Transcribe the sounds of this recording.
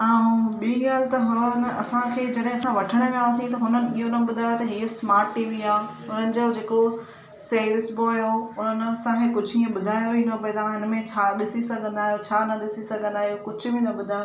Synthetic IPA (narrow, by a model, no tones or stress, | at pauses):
ãɦɓiiɡaːlt̪ɐɦʊnɐsãkʰeːd͡ʑɐɗɦɪ̃ɐsãʋɐʈʰəɽ̃mẽaːsĩt̪ɐɦʊnənɪ̆iɦonɐɓʊd̪ʱaːjot̪ɐɦiːsmaːɾʈːiːʋiaː | ɦʊnənɪ̆d͡ʑod͡ʑeːko | seːɾɪsboaːjoʊnənɪ̆ɐsãkʰẽkʊd͡ʑʱʊiə̃ɓʊd̪ʱaːjoĩnop̬ɐit̪ãɦɪnmẽt͡ɕʰaːɗɪsisɐɡʱə̃nd̪aːɦjot͡ɕʰaːnɐɗɪsisɐɡʱə̃nd̪aːɦjokʊd͡ʑʱʊ̆bʱɪnɐbʊd̪ʱaːjo